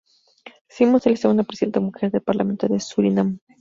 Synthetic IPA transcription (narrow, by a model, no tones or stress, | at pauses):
simoseleseɣund̪apɾesiðent̪amuxeɾðelpaɾlamẽ̞nt̪oðesuɾinam